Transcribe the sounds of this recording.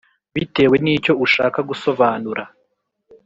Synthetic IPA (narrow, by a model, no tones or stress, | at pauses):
βite̞ːwe̞niːco̞uʃa̰ːkaɡuso̞βaːnuɾa